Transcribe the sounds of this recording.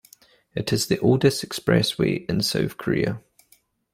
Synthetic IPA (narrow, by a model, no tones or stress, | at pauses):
ɪtʰɪzðiʔɔːlˠdɪstɛkspɹɛ̰swḭːʔɪ̃nsə̰ʊfkʰəɹɪ̰ə̰